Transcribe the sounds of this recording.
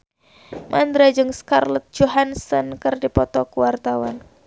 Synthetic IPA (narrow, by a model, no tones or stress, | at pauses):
mʔand̪ɾad͡ʒɨŋskarlət̪̚d͡ʒɔɦansɔnkɨrdipɔt̪ɔkuwart̪awan